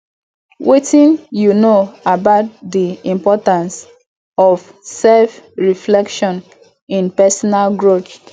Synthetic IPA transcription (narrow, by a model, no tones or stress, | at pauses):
wʔetʰĩnjunoabaʊt̚diĩmpɔtãns | ɔf | sɛlfɹiflɛkʃɔ̃n | ĩnpɛsɔnalɡɹot͡ʃ